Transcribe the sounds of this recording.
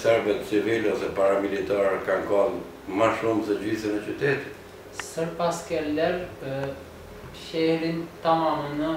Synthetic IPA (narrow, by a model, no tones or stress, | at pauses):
sɛɾbɛt̪t͡sivilɛɔsɛpaɾamilit̪aɾɛkankɔn | maʃumt̪əd͡ʑiθɛnɛt͡ʃyt̪ɛt̪i̥t̪ | səɾpaskɛlɛɾ | ʃɛɛɾint̪amamənə